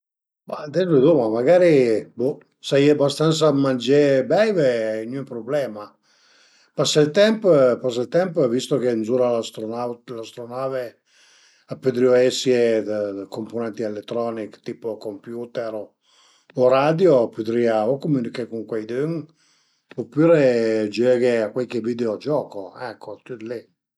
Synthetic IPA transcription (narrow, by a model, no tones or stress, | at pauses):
bad̪ɛlded̪umamaɡaːɾibo | sajabast̪ant̪samand͡ʒebɛjveɛjnupɾoblɛːma | pasalt̪ɛmppas̬alt̪ɛmpvist̪okenzuːɾalast̪ɾonalast̪ɾonaːve | apːød̪ɾioɛsjekomponɛnt̪ielet̪ːɾɔnikt̪iːpokompjut̪eɾ | oɾad̪jopyd̪ɾiːaokomunikekuŋkwejd̪øŋ | opːuːɾed͡ʒɛːɡeakwelkevid̪eod͡ʒɔːkoɛkːot̪ud̪le